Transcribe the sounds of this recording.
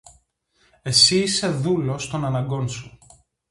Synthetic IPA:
e̞siːse̞ðulo̞st̪o̞nɐnɐɡo̞nsu

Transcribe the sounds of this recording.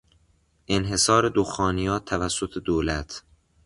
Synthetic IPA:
ʔenɦe̞sɒːɾed̪oxɒːnijɒːt̪ʰævæsːot̪ʰed̪oːlæt̪ʰ

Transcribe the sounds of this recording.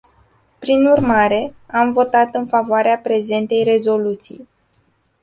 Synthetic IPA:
pɾinurmaɾe̞amvo̞t̪at̪ɨnfavoaɾeapɾe̞ze̞nt̪e̞jre̞zo̞lut̪sḭj

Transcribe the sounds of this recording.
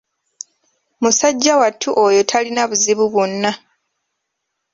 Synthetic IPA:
musaɟːawatʰːuʔojo̞tʰalinaβuziβuβunːa

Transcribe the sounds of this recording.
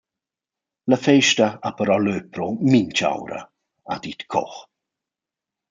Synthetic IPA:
ləfeʃtəapəɾɔløːpʰɾomint͡ʃa̰wɾə̰ | adit̪kʰɔ̰x

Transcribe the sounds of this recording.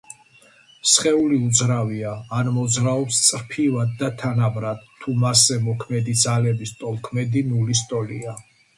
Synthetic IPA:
sχɛuliud̪zɾaviaːnmɔd̪zɾaɔpst̪sʼɾpʰivad̪̚ːat̪ʰanabɾad̪ʰumasɛmɔkʰmɛd̪id̪zalɛbist̪ʼɔlˠkʰmɛd̪inulist̪ʼɔlia

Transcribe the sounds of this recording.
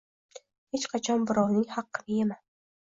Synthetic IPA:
het͡ʃqʰɑt͡ʃʰɒnbɪɾɒwnɪŋhɑqːɨnɪemas

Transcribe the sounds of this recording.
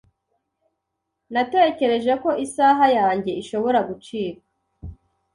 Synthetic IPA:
nate̞ce̞ɾe̞ʒe̞ko̞ʔisaːɦajaːɲɟe̞iʃo̞βo̞ɾaɡut͡ʃiːka

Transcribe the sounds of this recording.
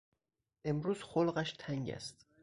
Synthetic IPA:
ʔe̞mɾuːz̥xolɢæʃt̪ʰæŋɟæ̰st̪

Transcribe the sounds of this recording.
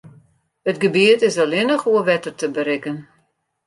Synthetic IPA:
ətɡəbiətɪsalɪnəχuəʋɛtərtəbəɾɪkən

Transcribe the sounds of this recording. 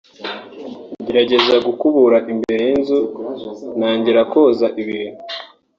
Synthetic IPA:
ɟeɾaɟe̞zaɡukuβuɾaʔimbeɾenzu | naːɲɟeɾakozaʔiβiːn̥u

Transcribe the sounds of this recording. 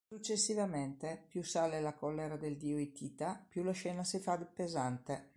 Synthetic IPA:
sut͡ʃːesːivament̪epjusaːlelakɔlːeɾad̪eld̪iːoit̪ʰiːt̪apjulaʃɛːnasifad̪epezant̪e

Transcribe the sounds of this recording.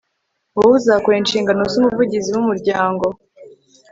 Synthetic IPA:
uuzakweːnʃiːŋɡanozumuvuɟiziwumuɾɟaːŋɡo̞

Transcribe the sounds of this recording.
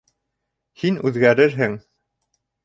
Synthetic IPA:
hinʉðɡæɾɘɾɦɘŋ

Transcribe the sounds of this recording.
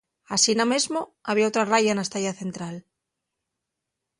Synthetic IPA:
asinamezmoaβ̞iaot̪ɾarajaenast̪ajaθe̞nt̪ɾal

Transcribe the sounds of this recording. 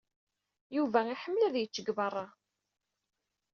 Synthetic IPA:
juvæiħəmːlæðjət͡sːəɡvɑrˤːɑ

